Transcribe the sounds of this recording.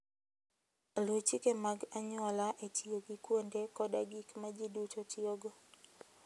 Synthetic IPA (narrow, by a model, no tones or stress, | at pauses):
lot͡ʃikemaɡaɲɔlaʔetioɡikwendekɔɗaɡikmad͡ʒidut͡ʃɔtioɡo